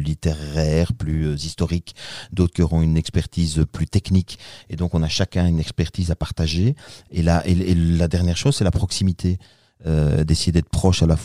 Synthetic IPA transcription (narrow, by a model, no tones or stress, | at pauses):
lit̪eʁɛːʁplyøzist̪ɔʁikd̪oːt̪χəkʲiɔʁɔ̃ynɛkspɛʁt̪iːzøplyt̪ɛkniked̪ɔ̃kɔ̃naʃakʲɛ̃ynɛkspɛʁt̪iːzapaʁt̪aʒeelaʔeelad̪ɛʁnjɛːʁʃoːzsɛlapχɔksimit̪ʰe | ød̪esejed̪ɛt̪χpχɔʃalaf